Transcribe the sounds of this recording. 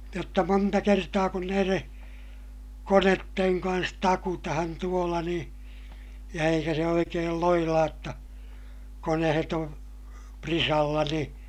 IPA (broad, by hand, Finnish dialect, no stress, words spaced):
jotːɑ montɑ kertɑː kun næireː konetːeŋ kɑns tɑkutɑhɑn tuolɑ nĩː jɑ eikæ se oikeːl loilɑːj jotːɑ konehet on prisɑlːɑ ni